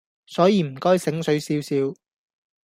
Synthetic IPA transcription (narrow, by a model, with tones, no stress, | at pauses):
sɔː˨˥jiː˨˧m̩˨˩kɔː˥jsɪ˨˥ŋsɵ˨˥ɥsiː˨˥wsiː˨˥w